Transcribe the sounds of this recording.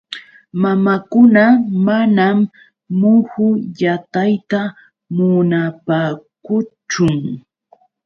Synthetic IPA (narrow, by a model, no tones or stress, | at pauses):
mamakʊnamanamː | ʊhʊjat̪ajt̪a | mʊnapaːkʊt͡ʃʊŋ